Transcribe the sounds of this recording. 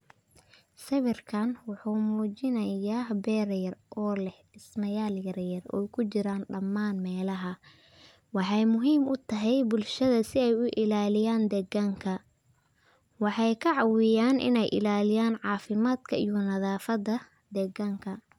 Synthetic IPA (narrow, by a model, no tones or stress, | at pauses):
sɐβɪrkʰɐnwɑħuːmuːt͡ʃɪnɐjaːbɛːɾjɐrʔɔːlɛh | ɪsnɐjaːljɐɾjɐrɔ̰jkʰʊt͡ʃɪɾaːnɖɐmːaːnmɛːlɐɦɐ | wɑħɑjmʊɦiːmʊt̪ʰɐɦɛjbʊlʃɐðɐsɪɛjʊʔɪlaːlɪjaːnd̪ɛɡɐŋkʰɐ | wɑħɑjkʰɐʕɑwɪjaːnʔɪ̰nɛjʔɪ̰laːlɪjaːnʕɑːfɪmaːd̪kʰɐʔijɔnɐðaːfɐdɐ | d̪ɛɡɐŋkʰɐ